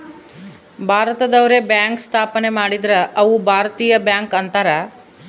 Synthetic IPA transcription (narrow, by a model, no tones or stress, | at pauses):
bʱaːɾɐt̪ɐd̪ɐʋɐɾebjaːŋkst̪ʰaːpɐne̞maːɽid̪ɾɐʔɐʋubʱaːɾɐt̪iːjɐbjaːŋkɐnt̪ɐɾɐ